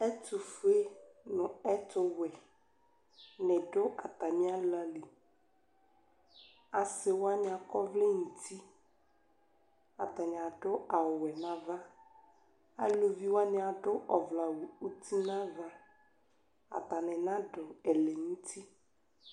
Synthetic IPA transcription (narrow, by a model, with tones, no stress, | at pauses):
ɛ˦tʊ˨fe˦nʊ̃˨ɛ˦tʊ˦wɛ˨ | nɛ˨ɖʊ˦ʔa˨t̪a˨mɪ̃˦a˦la˨li˨ | a˨sɪ˨wa˦ɲɪ̃˨a˨kɔ˦vlɪ˦ŋũ˨t̪i˦ | a˨t̪a˨ɲ˨a˨ɖʊ˦a˨wʊ˨wɛ˨nã˦va˦ | a̰˦lo˨vi˦wa˦nɪ̃˨˦a˨ɖʊ˦ʔɔ˨vla˨wu˨u˦t̪ʰi˦nã˦va˦ | a̰˨t̪a˨nɛ̃˨nã˦ɖʊ˨ɛ˨lɛ˨nũ˦t̪i˦